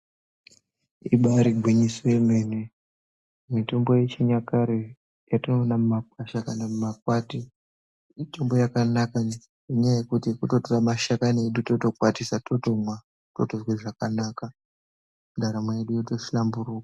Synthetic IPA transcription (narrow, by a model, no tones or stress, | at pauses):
iɓaɾiɡʱwiɲisojemenwe | mito̞mbo̞jet͡ʃiɲakaɾi | jatinoːnamumakwaʃakanamumakwati | ito̞mbo̞jakanaka | eɲajaje̞kutikuto̞toramaʃakanieɗuto̞to̞kwatisatotomwa | totozweʐakanaːka | ndʱaɾamwejeɗujoto̞ʃilambuɾukḁ